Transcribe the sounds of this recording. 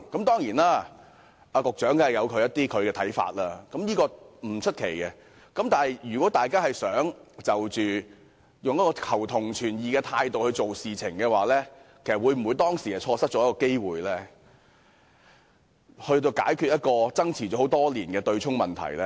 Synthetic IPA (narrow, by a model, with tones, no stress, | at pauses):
kɐ˨˥mt̪ɔː˥ŋjiː˨˩naː˥ | aː˧kʊ˨k̚t͡ʃœː˨˥ŋkɐ˨˩jɐ˨˧wkʰɵ˨˧jɐ˥t̪iː˥kʰɵ˨˧ɥkɛː˧t̪ʰɐ˨˥jfa̰ː˧t̚laː˧kɐ˨˥mjiː˥kɔː˧m̩˨˩t͡ʃʰɵ˥t̚kʰe˨˩jkɛ˧ | kɐ˨˥mt̪aː˨˩nɦjjyː˨˩kwɔː˨˥t̪aː˨jkaː˥hɐ˨jsœː˨˥ŋt͡sɐ˨wt͡ʃyː˨ | jʊ˨ŋjɐ˥kːɔː˧kʰɐ˨˩wt̪ʰʊ˨˩ŋt͡ʃʰyː˨˩njiː˨˧kɛː˧t̪ʰaː˧jt̪o˨whɵ˧ɥt͡so˨wsiː˨t͡sʰɪ˨˩ŋkɛː˧waː˨lɛː˥kʰe˨˩sɐ˨t̚wuː˨˧jm̩˨˩uː˨˧jt̪ɔː˥ŋsiː˨˩ɐ˨˩jt͡ʃʰɔː˧sɐ˥t̚t͡ʃɔ˨˥jɐ˥kɔː˧ke˥jwuː˨jlɛ˥ | hɵ˧ɥt̪̬o˧wka̰ː˨˥jkʰy˧jɐ˥t̚kɔː˧t͡sɐ˥ŋt͡sʰiː˨˩t͡ɕɔ˨˥ho˨˥wt̪ɔː˥liː˨˩nkɛː˧t̪ɵ˧ɥt͡ʃʰʊ˥ŋmɐ˨nt̪ʰɐ̰˨˩jlɛ˥